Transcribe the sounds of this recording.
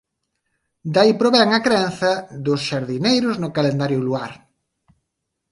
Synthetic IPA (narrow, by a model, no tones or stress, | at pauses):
d̪aipɾoβɛŋɐkɾɛnθɐðʊsʃaɾðinejɾʊznʊkalend̪aɾjʊluaɾ